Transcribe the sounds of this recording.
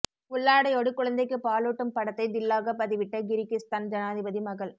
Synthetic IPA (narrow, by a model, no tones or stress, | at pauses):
kʊɭːaːɽɐjoːɽɯkʊɻɐnd̪ɐɪkːɯpaːluːʈːɯmpɐɽɐt̪ːɐɪd̪ɪlːaːɣɐpːɐðɪʋɪʈːɐɡɪɾɪkːɪst̪aːnd͡ʒɐnaːðɪbɐðimɐɣɐɭ